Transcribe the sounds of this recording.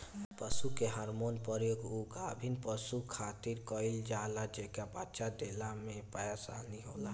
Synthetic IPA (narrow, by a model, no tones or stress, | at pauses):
pəsukeɦaɾmoːnpəɾjoɡuɡabʱinpəsukʰaːt̪iɾkɔɪld͡ʒalad͡ʒekabatːʃad̪elamẽpajasa̰lniɦoːla